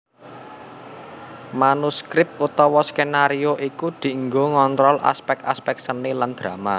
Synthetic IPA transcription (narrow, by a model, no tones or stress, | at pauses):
manuskɾɪp̚t̪̚ut̪ɔwɔskenaɾioʔikud̪̥i̤ŋɡoŋɔnt̪ɾɔlʔa̰spɛk̚aspɛk̚səniland̪̥ɾama